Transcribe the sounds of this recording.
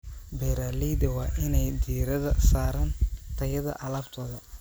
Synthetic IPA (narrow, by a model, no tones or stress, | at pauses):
bɛɾaːliːd̪ɐwɑːʔɪnɛjd̪iːɾɐðɐsaːɾɐnt̪ʰɐjɐðɐ̰ʔɐlɐːbt̪ʰɔːðɐ